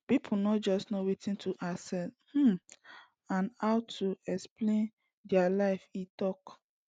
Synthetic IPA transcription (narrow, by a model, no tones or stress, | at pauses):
pipʰunɔt̚d͡ʒɔstnowitĩntʰuʔasɛlhm̩ | ãnhaʊtʰuɛksplẽn | dialaɪfitɔk